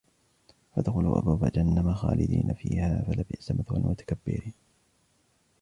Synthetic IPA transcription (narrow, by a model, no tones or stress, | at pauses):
fad̪xʊluːʔabaːfad͡ʒanːamaxa̰ːlɪd̪iːnʔafiːhaːfalabɪʔsamʔaθalmʊt̪ḁkabːɪɾiːn